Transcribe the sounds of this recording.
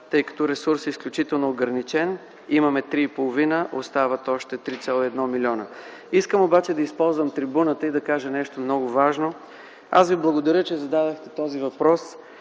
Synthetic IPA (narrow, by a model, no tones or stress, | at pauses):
t̪ɤjkɐ̥t̪ɔɾɛsuɾsisklʲʊt͡ʃit̪ɛlˠnoːɡɾɐnit͡ʃɛn | imɐmɛt̪ɾiːpolˠovinəʔost̪avət̪ɔʃt̪ɛt̪ɾit̪sʲalˠoɛd̪nɔmilʲiɔnə | iskəmobat͡ʃɛd̪ɐispɔlˠzvəmt̪ɾibunət̪əid̪ɐkaʒɐnɛʃt̪omnɔɡʊvaʒno | a̰sviblˠɐɡod̪ɐɾʲət͡ʃɛzɐd̪ad̪əxt̪ɛt̪ɔzivɐpɾɔs